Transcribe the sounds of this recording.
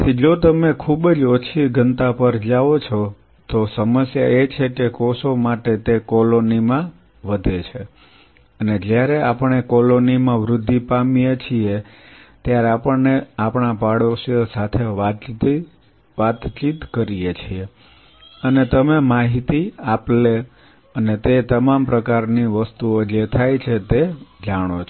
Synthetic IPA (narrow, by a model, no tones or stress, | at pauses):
t̪ʰid͡ʒot̪əmekʰubd͡ʒot͡ʃʰiɡənt̪apəɾd͡ʒaʋot͡ʃʰo | t̪osəməsja̰et͡ʃʰekekɔsomaʈet̪ekɔlonimã | ʋəd̪ʱet͡ʃʰe | əned͡ʒjaɾeapəɳekɔlonimãʋɾʊd̪ʱːipamijet͡ʃʰiet̪jaɾeapəɳneapɳapaɽososat̪ʰe | ʋat̪t͡ʃit̪kəɾijet͡ʃʰie | ənet̪əmemaɦit̪iaple | ənet̪et̪əmampɾəkaɾniʋəst̪uod͡ʒet̪ʰajt͡ʃʰet̪ed͡ʒaɽ̃ot͡ʃʰ